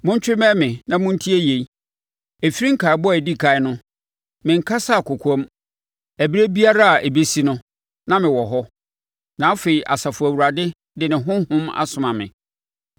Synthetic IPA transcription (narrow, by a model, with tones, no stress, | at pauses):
mʊ̃˦ɲ˦t͡ɕᶣɪ˦mɛ̃˦mɪ̃˨nã˨mʊ̃˦n̩˦tʰi˦æ˦je˨˦ | e˨fi˦ɾĩ˦ŋ̩˦kʰa˨bɔ˦æ˨di˦kʰa˨ɪ˦nʊ̃˦ | mɪ̃˨ŋ˨kʰa˦sa˦˨kʰʊ˨kʷʰɔ˦m | æ˨bi˦ɾe˦bi˦a˦ɾa˦a˨ʔe˨be˦si˦nʊ̃˦ | nã˦mɪ̃˨wɔ˨ɦɔ˦ | nã˨˦fe˨i˨ʔa˨sa˨fʊ˨æ˨wu˨ɾa˨dɪ˦ | dɪ˨nɪ̃˨ɦʊ̃˦hʊ̃˦ma̰˦sʊ̃˨mã˨mɪ̰̃˨